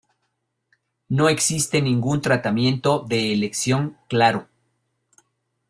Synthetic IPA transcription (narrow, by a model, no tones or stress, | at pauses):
no̞e̞ksist̪e̞nĩŋɡunt̪ɾat̪amjẽ̞nt̪o̞ðe̞ːleksjo̞ŋklaɾo